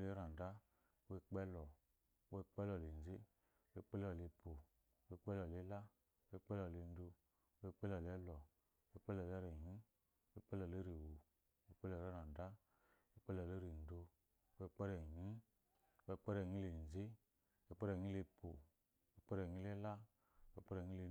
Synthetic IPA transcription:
le˦ɾa˨n˨da˦ | we˧k͡pɛ˦lɔ˨ | we˧k͡pɛ˦lɔ˨le˨n̩˨ze˦ | e˧˦k͡pɛ˦lɔ˨le˧pʰo˨˦ | we˧k͡pɛ˦lɔ˨le˦la˦ | we˧˦k͡pɛ˦lɔ˨le˧n˦do˧˦ | e˧k͡pɛ˦lɔ˨le˦lɔ˨˦ | e˧˦k͡pɛ˦lɔ˨le˦ɾe˨ɲĩ˦ | e˧˦k͡pɛ˦lɔ˨le˨˦ɾe˨wo˨ | we˧˦k͡pɛ˦lɔ˨ɾɔ˦na˨da˦ | e˧˦k͡pɛ˦lɔ˨e˦ɾi˨n̩˨do˧˦ | e˧˦k͡pɛ˦ɾɛ˨ɲi˦ | we˧k͡pɛ˦ɾɛ˨ɲĩ˦le˨n˨ze˦ | e˧k͡pɛ˦ɾɛ˨ɲĩ˦le˧po˨˦ | we˧˦k͡pɛ˦ɾɛ˨ĩ˦le˦la˦ | wk͡pɛ˦ɾɛ˧˨ɲĩ˦le˧

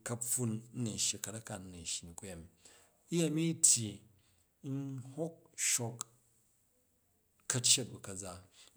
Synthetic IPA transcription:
kɐ˦ɸu˦n̩˦ni˨ʃi˨kɐ˨tɐ˦ka˨n̩˦ni˨ʃi˨ni˨ku˦je˨m | i˦je˦˨mi˦tʲʰji˨ | n̩˦ho˦k̚ʃo˦k | kːɐ˦tt͡ʃe˦t̚bu˨kɐ˨d͡za˦

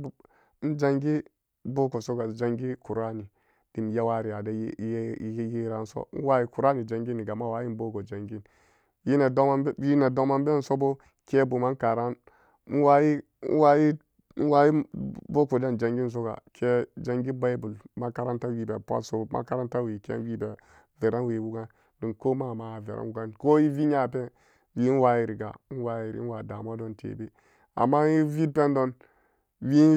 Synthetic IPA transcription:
n̩˦d͡ʒa˦ŋɡi˦ | bo˦ko˨so˦ɡa˨d͡ʒa˨ŋɡi˦ku˨ɾa˦ni˨ | d̥i˨m˨ja˦wa˦ɾi˨a˨da˦ji˦ɾa˨n̩˦so̰˦n̩˦wa˦ji˦ku˨ɾa˦ni˨d͡ʒa˨ŋɡi˦ni˨ɡa˨ma˦wa˦ji˦n˦bo˦ko˨d͡ʒa˨ŋɡi˦n | ji˦na˨do˦ma˦ji˦na˨do˦ma˦mbe˦n̩˦so˦bo˦ | ke˦bu˨ma˦n˦ka˨ɾa˦n˦ | n̩˦wa˦ji˦ | wa˦ji˦ | n˦wa˦ji˦bo˦ku˨da˦nd͡ʒa˨ŋɡi˦n̩˦s̬o˦ɡa̰˨kʰe˦d͡ʒa˦ŋɡi˦ba˦i˦bu˨lma˦ka˦ɾa˦nta˦wi˦be˨pʷa̰˦so˦ma̰˦ka˦ɾa˦nta˦we˨kḛ˦wi˦be˨ | ve˨ɾa˦n˦we˨wu˦ɡa˦n | di˨nko˦ma˦˨ma˨˦˨vḛ˨ɾa̰˦wu˦ɡa˦nko˦ji˦vi˦ɲa˨pe˦ | wi˦n̩˦wa˦ji˦ɾi˨ɡa̰˨˦n̩˦wa˦ji˨ɾḭ˦n̩˦wa˨da˨ma˦do˦ntḛ˨be˦ | a̰˨mːa˦i˦vi˦pe˦n˦do˦n | wi˦

